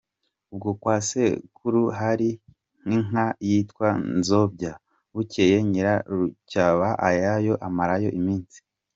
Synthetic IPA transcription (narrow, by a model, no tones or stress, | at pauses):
ub̚ɡokwaːsekʰuɾuɦaɾi | ŋ̥iŋajitkwanzo̞bɟa | βucejeɲiɾaɾucaβaʔajajo̞ʔamaɾajo̞ʔimiːnsi̥